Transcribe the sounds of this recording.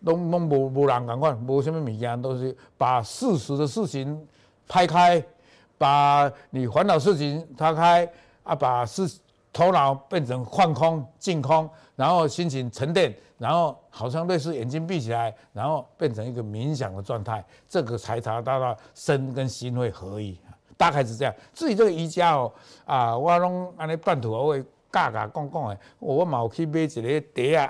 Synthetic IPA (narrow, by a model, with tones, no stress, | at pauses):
t̪ɔ˧˦ŋt̪ɔ˦˥ŋbɔ˧˩bɔ˧la˨˦ŋka˨˩nkʰwa˥˨nbɔ˧ɕ̬ɛ˥nmĩ˥˩mĩ˨˩kja˧t̪̬ɔ˧˦ŋɕi˧ | pa˨˩s̩˥˧su˧˦d̪ə˧ʂ̩˥˨t͡ɕʰi˨˦n | pʰa˦ɪkʰa˦˥ɪ | pa˨˩nĩ˨˩xwa˧˦nt̪a˨˩ʊs̬̩˥˩t͡ɕʰi˧˦nt͡sʰa˥kʰa˦ɪ | a˦pa˨˩s̩˥˧˩ | t̪ʰɔ˧˦ʊla˨˦ʊpjɛ˥˨nt͡sʰə˨˦ŋkʰwa˥˩nkʰɔ˦ŋt͡ɕi˥˧nkʰɔ˦ŋ | ɻa˧˦nxo˥˩ʊɕi˦˥nɕi˧˦nt͡sʰə˧˦nt̪jɛ˥˨n | ɻa˧˦nho˥˩ʊha˨˩ʊɕ̬ja˥˧ŋt̪we˥˧ɪs̬̩˥˧˨jɛ˨˩nt͡ɕi˦np̬i˥˨t͡ɕʰi˨la˨˦ɪɾa˧˦nhɔ˥˧pjɛ˥˨nt͡sʰə˨˦ŋi˦˧ɡə˨mi˨˦nɕ̬ja̰˨˩ŋd̪ə˨t͡swa˥˧nt̪ʰa˥˩ɪ | t͡sə˥˧ɡə˨t͡sʰa˧˦ɪt͡sʰa˨˧˦t̪a˧t̪wa˥˧˩sə˦nkə˦nɕi˦nhwe˥˧hə˨˦i˧˨a˨t̪a˥˧kʰa˧˦ɪs̬̩˨˩t͡ɕe˧ja˧˨t͡sɹ̩˥˧i˨˧t͡sə˥˨ɡə˧i˧˦t͡ɕja˦ɔ˨a˧˩wa˦lɔ˦ŋa˧nẽ˦pa˥˧˨nt̪ʰu˨a˨˧˦e˧˩ | ka˥˧˨ka̰˨kɔ˥˧ŋkɔ˥˨ŋe˨ | ɔ˨˩wa˦mã˨ɔ˨˩kʰi˦be˦t͡ɕi˨˩ɾe˨˦t̪e˨˦a˨